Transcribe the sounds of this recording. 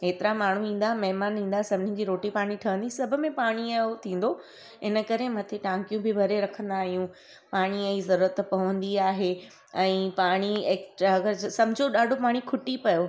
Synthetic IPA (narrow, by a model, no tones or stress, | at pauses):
eːt̪ɪɾamaːɳ̤uĩːn̆d̪amɐɦɪmaːnĩːnd̪asɐbʱɪnĩd͡ʑiːɾoːʈipaːɽ̃iʈʰɐʋə̃nd̪isɐbʱʊ̆mẽpaːɽ̃iɐɦot̪ʰĩːn̆d̪o | ɪnə̆kɐɾemɐt̪ʰeʈãːŋkijũbɪbʱɐɾeɾɐkʰə̃nd̪aːɦijũ | paːɽ̃iɐ̃izɐɾuːɾət̪pɐʋə̃nd̪iaːɦe | ɛ̃ːpaːɽ̃ieːksʈɾaɐɡəɾsɐbɪd͡ʑʱoɗaːɖʱopaːɽ̃ikʰʊʈipɐjo